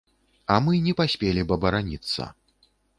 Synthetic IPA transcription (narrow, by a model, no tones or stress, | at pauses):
ɐmɨnʲɛpasʲpʲelʲibɐbɐɾanʲit̪sːɐ̰